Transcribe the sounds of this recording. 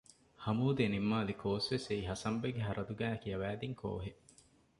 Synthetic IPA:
hɐmuːd̪enimːaːlikʰoːsʋeseiɦɐsɐmbeɡeɦɐɾɐd̪uɡæːɐkijɐʋæːd̪iŋkʰo̰ːɦe

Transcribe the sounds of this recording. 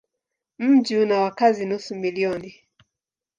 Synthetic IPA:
m̩d͡ʒinawakazinusumiliɔni

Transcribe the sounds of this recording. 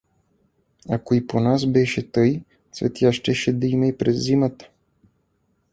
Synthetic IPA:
akoiponasbɛʃɛt̪ɤj | svɛ̰t̪jaʃt̪ɛʃɛd̪ɐimɛipɾɛzzːimət̪ə̥

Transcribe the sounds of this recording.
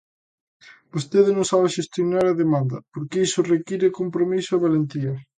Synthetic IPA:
bost̪eðɪnõŋsaβeʃest̪jonaɾɐðemãnd̪ɐpoɾkeisʊrekiɾekompɾomisʊɐβalent̪iɐ

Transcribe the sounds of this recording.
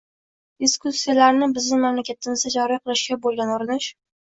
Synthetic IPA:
d̪̥iskusːijalaɾnɪbɪznɪmmamlakʲʰat̪ʰɪmɪzd̪ad͡ʒɒɾiqʰɨlˠɪʃɡʲabolˠɡʲanoɾɪnɪʃ

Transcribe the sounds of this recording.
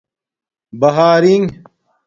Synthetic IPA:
bɐɦaːɾiŋ

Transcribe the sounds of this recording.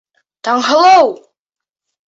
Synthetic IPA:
t̪ɑɴɦɤ̆lˠɤw

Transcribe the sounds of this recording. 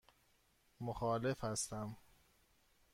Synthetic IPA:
moxɒːle̞fhæst̪æm

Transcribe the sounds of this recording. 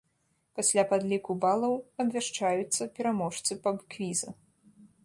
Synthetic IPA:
pasʲlʲapad̪lʲikubalˠɐwɐbvʲaʂt͡ʂajut̪sːɐpʲɛɾamɔʂt̪sɨpɐbkvʲizɐ

